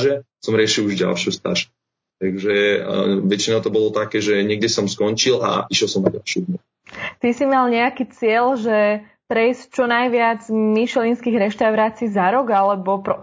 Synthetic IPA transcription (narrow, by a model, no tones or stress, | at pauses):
ʒɛ | sɔmɾɪɛʃiluʒɟa̰lʃɪust̪a̰ʒɛ | t̪aɡʒɛ | ʋɛt͡ʃinat̪ɔbɔlɔt̪akɛːʒɛɲɛɡ̚dɛsɔmskɔɲt͡ʃila̰ʔiʃjɛlˠsɔmnaɟalʃjuɦmɔ | t̪isimalɲɛakiːt͡sɪɛlʒɛ | pɾɛjsct͡ʃɔnajʋɪad͡zmiʃɛlinskiɣɾɛʃt̪aʊɾaːt͡siːzaɾɔɡalɛbɔp